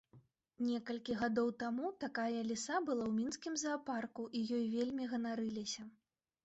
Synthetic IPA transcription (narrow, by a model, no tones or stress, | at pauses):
nʲɛkɐlʲkʲiɣad̪ɔwt̪amut̪akajɐlʲisabɨlˠawmʲinskʲimzɐːparkuʔijɔjvʲelʲmʲiɣɐnaɾɨlʲisʲɐ